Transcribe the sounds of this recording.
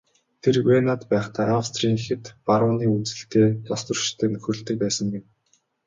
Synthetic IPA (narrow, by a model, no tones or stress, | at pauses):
t̪ʰerwenat̪pæːχt̪ʰaːawst̪ʰriːŋxĕt̪parəniːut͡sɘ̆ɬt̪eːt̪ɔst̪ə̆rʃt̪ʰːeːnɵxɵ̆r̆ɬt̪ɘ̆k̚pæːsə̆ŋɡen